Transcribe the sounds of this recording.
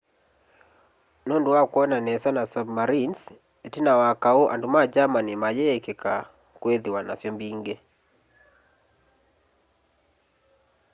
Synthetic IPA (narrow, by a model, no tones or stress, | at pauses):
nonduwakwɔnanɛsanasabmaɾins | etinawakaoʔa̰ndumad͡ʒamanimajɛkeka | kweðiwana̰sjɔmbiŋɡe